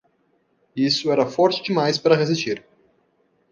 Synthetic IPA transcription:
isʊɛɾɐfɔɾt͡ʃɪd͡ʒɪmajspaɾɐʁezist͡ʃiɾ

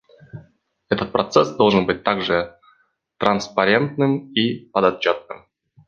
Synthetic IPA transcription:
ɛt̪ət̪̚pɾʔɐt̪sɛsd̪olˠʐɨnbɨt̚ʲt̪aɡʐɨ | t̪ɾənspɐɾʲe̞nt̪nɨmipəd̪ɐt͡ɕːot̪̚nɨ̰m

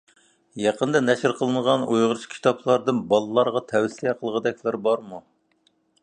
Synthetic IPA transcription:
jɑqənd̪ɑnɛʃɾqʰəlˠɨnəʁɑnojʁəɾt͡ʃʰkʲʰi̥t̪ʰɑpʰlˠɑɾd̪ɨnbɑlˠɨlˠɑɾʁɑt̪ʰɛwsijɛqʰəlˠʁəd̪ɛkʲlæɾbɑɾmu

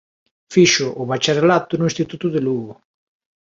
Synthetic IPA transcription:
fiʃʊʔʊβat͡ʃarelat̪ʊnʊĩst̪it̪ut̪ʊðeluɣo

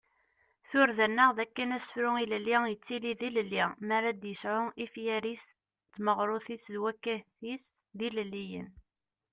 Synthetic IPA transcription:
θʊɾðænːəʁðækːənæsə̥fɾʊiləlːijət͡sːiliðiləlːimaɾad̪jəsʕʊifjæɾis | t͡sːməʁɾˤʊθisðwækːæθis | ðiləlːijə̰n

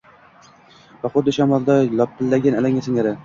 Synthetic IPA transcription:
vaχʊd̪ːɪʃamɒlˠd̪alˠɒp̚pʰːɪlːaɡʲanalaŋasɪŋaɾɪ

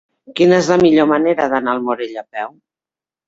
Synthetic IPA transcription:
kinəezləmiʎoməneɾəðənaːlˠmoɾeʎəpɛw

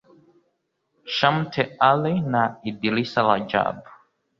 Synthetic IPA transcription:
ʃam̩tʰɛalinaidilisalad͡ʒa̰bu

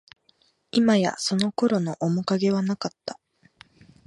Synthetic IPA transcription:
imaja̰so̞no̞ko̞ɾo̞no̞ʔomokaɡe̞β̞anakat̪ːḁ

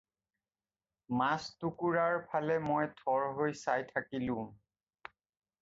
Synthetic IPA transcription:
mastukuɹaɹpʰalɛmɔjtʰɔɹɦojsajtʰakilʊ̃

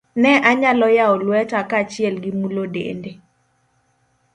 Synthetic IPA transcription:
nɛʔaɲalɔjaɔlwɛtakat͡ʃɪɛlɡɪmulodḛnde

